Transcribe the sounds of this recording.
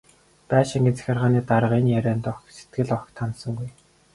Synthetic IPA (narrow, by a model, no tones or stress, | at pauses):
pæːʃiŋɡʲɘ̆nt͡sʰæ̥xʲărʁaːniːt̪aɾə̆ʁiːnjæɾæːnt̪ɔkset̪̚ɡɘ̆ɮɔkt̪ʰːansɞ̆ŋɡuj